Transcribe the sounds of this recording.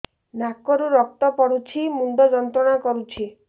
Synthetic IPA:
nakɔɾuɾɔk̚t̪ɔpɔɽut͡ʃʰimund̪ɔd͡ʒɔnt̪ɾɔɽ̃akɔɾut͡ʃʰi

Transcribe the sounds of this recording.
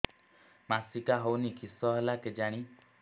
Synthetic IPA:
masikaɦownikʰisɔɦelaked͡ʒaɽ̃i

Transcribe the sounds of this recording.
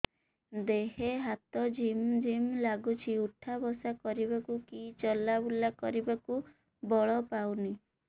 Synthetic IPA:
d̪eɦeɦat̪ɔd͡ʒimd͡ʒimlaɡut͡ʃʰiuʈʰabɔsakɔɾibakukit͡ʃɔlabulakɔɾibaku | bɔɭɔpawni

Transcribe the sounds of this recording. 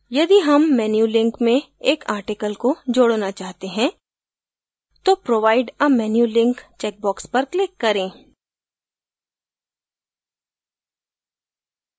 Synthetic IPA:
jɐd̪iɦɐmːɛːnjuːlɪ̃ŋkmẽeːkʰaːɾʈɪkəlkod͡ʒoːɽnat͡ʃaːɦt̪eɦɛ̃ | t̪opɾoːʋaːɪɖɐmɛːnjulɪ̃ŋkt͡ʃɛːk̚bɔːkspɐɾklɪkːɐɾẽː

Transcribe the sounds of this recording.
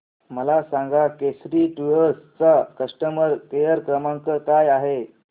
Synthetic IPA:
məlasãŋɡakesɾiːʈujəɾst͡sakəʂʈəməɾkejəɾkɾəmaŋkəkajaɦe

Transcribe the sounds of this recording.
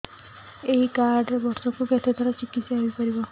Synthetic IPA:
eɦikaɾɖɾbɔɾsɔkuket̪ʰet̪ʰɔɾat͡ʃikːit̪saʋipʌɾibɔ

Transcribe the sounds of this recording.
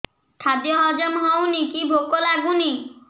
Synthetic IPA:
ʈʰat̪ijɔɦɔd͡ʒɔmɦɔwnikibʱokolaɡuni

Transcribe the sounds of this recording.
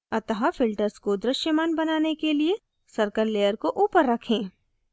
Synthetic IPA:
ɐt̪əɦafɪlʈəɾskod̪ɾɪʃjəmaːnbɐnaːnekelie | sɐɾkəɾleːjəɾkoʔuːpəɾːɐkʰẽː

